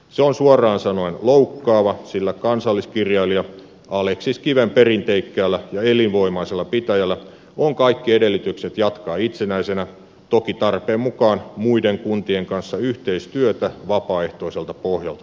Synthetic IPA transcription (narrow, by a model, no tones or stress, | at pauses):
seonsuɑrˑɑːnsɑnoinloukːɑːʋɑsilːækɑnsɑlːiskirjɑiliɑ | ɑleksiskiʋemperint̪eikːæːlːæjɑelinʋoimɑiselːɑpit̪æjælːˑæ | oŋkɑikːiedelːit̪ykset̪jɑt̪kɑːit̪senæisenæ | t̪okit̪ɑrpeːmmukɑːnmuideŋkunt̪ieŋkɑnsːɑyht̪eist̪yøt̪æʋɑpɑːeht̪oiselt̪ɑpohjɑ̰lt̪ɑ